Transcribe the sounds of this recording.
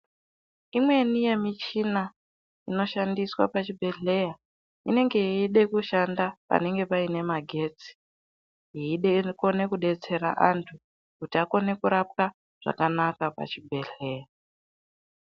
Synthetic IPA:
imwe̞nije̞mit͡ʃina | ino̞ʃandiswa̰pat͡ʃibʱe̞ɮe̞ja | ine̞ŋɡe̞iɗe̞kuʃandapa̰ne̞ŋɡe̞paine̞maɡʱe̞t͡si̥ | ɦiiɗeko̞ne̞kuɗe̞t͡se̞ɾa̰ʔantʰu | kutiako̞ne̞kuɾap̚ka | ʐ̥a̰kanakapa̰t͡ʃibʱe̞ɬe̞ːja

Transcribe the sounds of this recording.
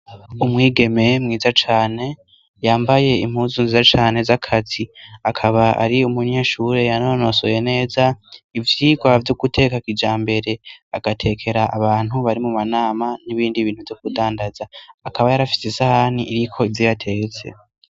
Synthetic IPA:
umŋiːɡe̞me̞mŋiːzat͡ʃaːne̞ | jaːmbaje̞im̥huːzunzizat͡ʃaːne̞zakʰatiakʰaβaʔa̰ɾiumuɲe̞ːʃuɾe̞janono̞so̰je̞ne̞ːzaivjiːɡwavjuɡutʰe̞ːkakid͡ʒaːmbe̞ɾe̞aɡ̥atʰe̞kʰe̞ɾaʔaβaːn̥huβaɾimumanaːmaniβiːndiβiːnhuvjok̚udaːndazaːkaβajaɾafi̥sesahaniʔiɾikʰo̞ivjojatʰe̞ːt͡se̞̰

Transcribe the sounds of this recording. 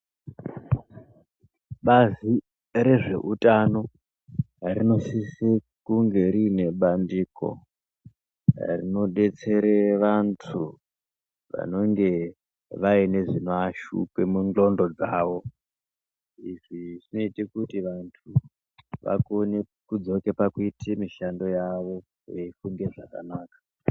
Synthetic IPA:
ɓazi | ɾe̞ʐe̞̰ʔutano̞ | rino̞sisi | kuŋɡe̞ɾine̞ɓandiːko̞̰ | rḭno̞ɗe̞t͡se̞ɾeʋantʰu | ʋa̰no̞ŋɡe̞ | ʋaine̞ʐinoaʃṵpemund͡ɮo̞ndo̞d͡zaːʋo̞ | iʐ̥iʐino̞itikutiʋantʰu | ʋa̰konekud͡zo̞ke̞pakuitʰimiʃando̞jaʋo̞ | jeifuŋɡe̞ʐaka̰naːkḁ

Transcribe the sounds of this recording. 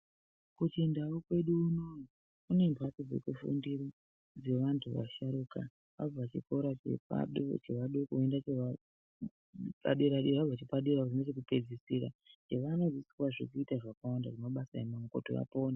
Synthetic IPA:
kutindaukwe̞ɗuːnoji | kune̞mbʱwatod͡ze̞̰kufṵndiro | d͡ze̞ʋantʰuʋa̰ʃaɾuka̰ | ʋa̰b͡vat͡ʃikoɾat͡ʃḛpa̰ɗt͡ʃeʋaɗokuendat͡ʃea | pa̰ɗeɾaɗiʋavat͡ʃipaɗeɾakuinot͡ʃek̬upe̞d͡zisiɾand͡ʒeʋano̞d͡zisi̥kwaʐik̬uitaʐakawandaʐemaɓasaemamuko̰to̰ʋa̰po̞ːna

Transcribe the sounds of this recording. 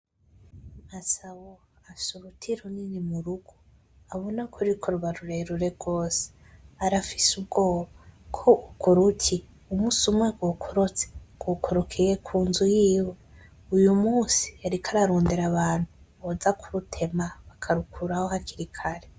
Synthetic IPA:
masawo | afi̥suβutʰiɾuninimuɾuɡ̥o | aβonakʰuɾikʰoɾuβaɾuɾeɾuɾe̞ɾɡo̞ːse̥ | aɾafi̥sub̚ɡo̞ːβakʰoʔukuɾucʰi | umuːsumweɡokʰoɾot͡seɡ̥okʰoɾokʰijekʰuːnzujiːwe | ujumuːsi̥aɾikʰaɾaɾoːndeɾaβaːn̥hu | βozakʰuɾutʰe̞maβakʰaɾukʰuɾahohakiɾikʰaɾe

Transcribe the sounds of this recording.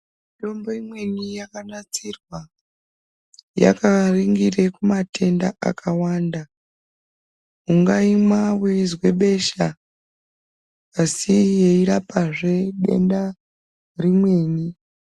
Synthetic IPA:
mito̞mbo̞imwe̞nijakanat͡sirwa | ja̰kariŋɡirekumatʰe̞nda̰ʔa̰kʰawaːnda | uŋɡaimwawezwe̞ɓe̞ʃa | sijeiɾapaʐe̞ɗe̞̰nda | rimwe̞ːni

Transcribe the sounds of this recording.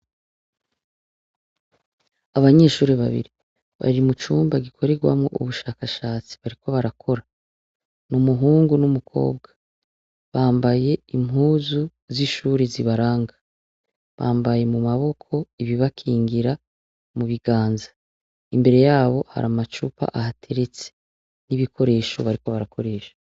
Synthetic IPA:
aβaɲe̞ːʃuːɾiβa̰βḭɾi | βa̰ɾimut͡ʃuːmbaɡikʰo̞ɾe̞ɡwa̰mŋo̞̰ʔṵβuʃaːkaʃaːt͡si̥βaɾiko̞βaɾakʰo̞ɾa | numuɦuːŋɡunumukʰo̞̰ːb̚ɡa | βaːmbaje̞imɦuːzu | ziʃuːɾiziβaɾaːŋɡa | βa̰ːmbaje̞mumaβo̞kʰo̞iβiβakʰiːŋɡiɾa | muβiɡaːnzḁ | imbe̞ɾe̞jaːβo̞ha̰ɾamat͡ʃupa̰ʔahatʰe̞ɾet͡se̥ | niβikʰo̞ɾe̞ːʃo̞̰βaɾiko̞βaɾakʰo̞ɾe̞ːʃḁ

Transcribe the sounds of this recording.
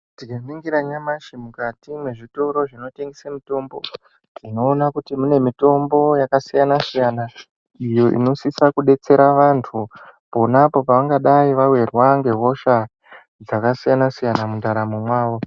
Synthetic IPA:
tiɡaniŋɡiɾaɲamaʃimukatimwe̞ʐito̞ɾo̞ʐino̞te̞ŋɡesamito̞mbo̞̰ | ʐino̞ːnakutimune̞mito̞mbo̞jakasijanasijana | ijo̞ʔḭno̞sisakuɗe̞t͡se̞ɾaʋantʰupo̞napo̞paʋaŋɡaɗaiʋawe̞rwaŋɡe̞ɦo̞ʃa | d͡zakasijanasijanamundaɾamumwaːʋo̞

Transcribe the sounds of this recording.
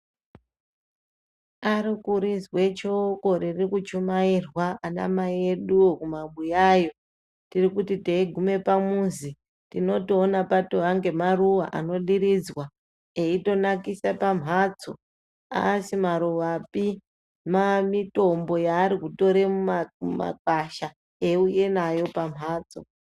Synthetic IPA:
aɾikuɾizwe̞t͡ʃokoririkut͡ʃumairwaana̰maie̞ɗuokumaɓujajo̞ | tirikutiteiɡʱume̞pamunzi | tino̞toːnapatoɦaŋɡe̞maruwaʔano̞ɗiɾid͡zwa | eito̞nakisapam̤ɦaːt͡so | a̰simaɾuʋapi | mamito̞mbo̞jaːɾikuto̞ɾemumama̰k̚aʃa | euje̞najo̞pam̤ʱaːt͡so̞̰

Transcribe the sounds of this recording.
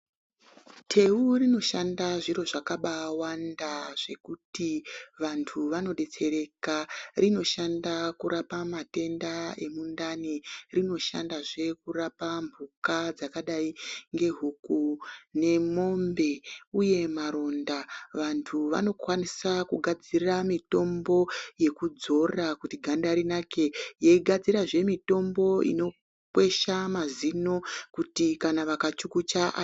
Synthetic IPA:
tʰe̞urino̞ʃandaʐiro̞ʐakaɓawandaʐ̥e̞kutiʋantʰuʋano̞ɗe̞t͡se̞ɾe̞karʔino̞ʃandakuɾapamate̞ndae̞mundanirino̞ʃa̰ndaʐe̞kurapambukad͡zakaɗaiŋɡe̞ɦukune̞mo̞mbe̞uje̞maɾo̞ndaʋantʰuʋa̰no̞kwanisakuɡʱad͡ziramito̞mbo̞je̞kud͡zo̞rakutiɡʱandaɾinake̞jeiɡʱad͡ziraʐe̞mito̞mbo̞ḭno̞ | kwe̞ʃamazino̞kutikanaʋakat͡ʃukut͡ʃaʔa

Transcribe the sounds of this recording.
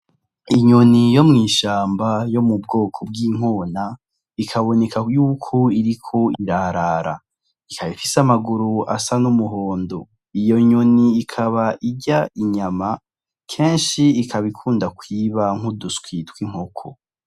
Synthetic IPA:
iɲonijo̞mŋiːʃaːmbajo̞mubɡo̞ːkʰob̚ɡiːŋ̥o̞ːna | ikʰaβo̞ne̞kajuːkʰoiɾikʰo̞iɾaɾaːɾa̰ | ikʰaβifisamaɡuɾua̰sanumuɦoːndo̞ | ijo̞ɲoniːkʰaβaʔiɟaʔiɲama | kʰe̞ːnʃiːkʰaβikʰuːndakwiːβaŋ̥huduskwitwiŋ̥hokʰo̰

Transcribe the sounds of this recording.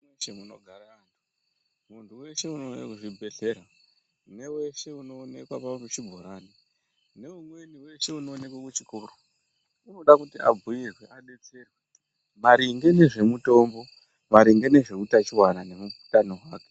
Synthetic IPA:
eʃemunoɡʱaɾaantu̥ | muntʰuwe̞ʃe̞unoʐibʱe̞ɬe̞ɾa | ne̞we̞ʃe̞uno̞ːne̞kwapaurut͡ʃibʱoɾaːni | ne̞umwe̞niwe̞ʃe̞uno̞ːne̞kwakut͡ʃikuːru | unoɗakutiʔa̰b͡vʱujirweaɗe̞t͡se̞rwe | maɾiŋɡe̞ne̞ʐe̞muto̞mbo̞ | ʋaɾiŋɡe̞ne̞ʐe̞utat͡ʃiwanane̞mubu̥tanoɦaːke

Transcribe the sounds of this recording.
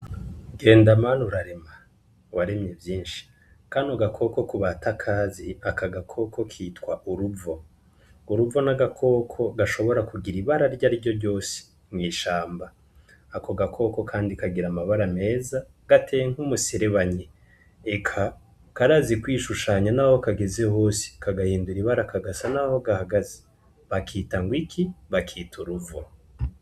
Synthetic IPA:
ɡe̞ːndamaːnuɾaɾema | waɾemɲevjiːnʃi̥ | kanoɡakʰo̞ko̞kuβatʰakʰaːziakaɡakʰo̞kʰo̞kʰiːtkwaʔuɾuvo̞ | uɾuvo̞naɡakʰo̞ːkʰo̞ɡaʃo̞βo̞ɾakuɡiɾiβaɾaɾɟaɾiɟo̞ɾɟo̞ːse̥ | mŋiːʃaːmbaː | ko̞ɡakʰo̞ko̞kʰaːndikaɡiɾamaβaɾame̞ːza | ɡ̥atʰeŋ̥humusiɾeβaɲe | ekʰa | kaɾazikwiːʃuʃaːɲanaho̞kaɡe̞zeho̞ːsi̥kʰaɡahiːnduɾiβaɾakaɡasanaho̞ɡahaɡaze̥ | βakʰiːtaŋɡwikʰiβakʰiːtʰuɾuvo

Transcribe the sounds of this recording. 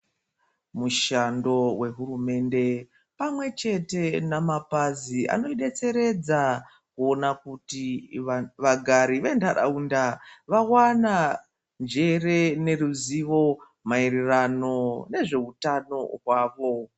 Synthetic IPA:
muʃando̞we̞ɦurume̞nde̞ | pamwe̞t͡ʃe̞te̞namapaziʔa̰no̞iɗe̞t͡se̞ɾe̞d͡za | kuo̞nakuti | ʋaɡʱaɾiʋendaɗa̰undaʋawana | nd͡ʒe̞re̞ne̞ruziʋo̞ | mairirano̞ne̞ʐe̞utano̞̰ɦwaːʋo̞

